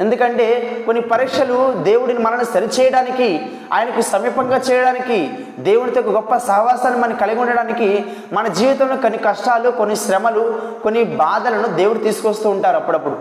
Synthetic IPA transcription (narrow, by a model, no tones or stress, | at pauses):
e̞nd̪ukɐɳʈe̞ːko̞nːipɐɾiːkʂɐlud̪e̞ːwuɽinimɐlɐnusɐɾit͡ʃɛːjɐɽaːniki | a̰ːjɐnɐkusɐmiːpɐŋɡaːt͡ʃɛːjɐɽaːniki | d̪e̞ːwuɽit̪okːɐɡɔpːɐsɐɦɐʋaːsaːnːimɐnɐkɐlɐɡuɳɖɐɽaːniki | mɐnɐd͡ʒiːʋit̪ɐmnukonːikɐʂʈaːlukonːiʃɾɛmɐluko̞nːibaːd̪ɐlɐnud̪e̞ːwuɽut̪iːsu̥kost̪uːɳʈaːɾuɐpːuɽɐpːuɽu